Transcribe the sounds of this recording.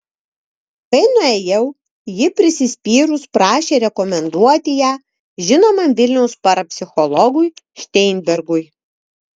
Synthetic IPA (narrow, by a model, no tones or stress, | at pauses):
kɐɪnʊɛjɛʊ | jɪpʲɾʲɪsʲɪsʲpʲiːɾʊspɾɑːʃʲeːɾʲɛkɔmʲɛnd̪uɔt̪ʲɪjæː | ʒʲɪnoːmɐmʋʲɪlʲnʲɛʊspɐɾɐpʲsʲɪxɔlˠɔɡʊjʃʲt̪ʲɛɪnʲbʲɛɾɡʊj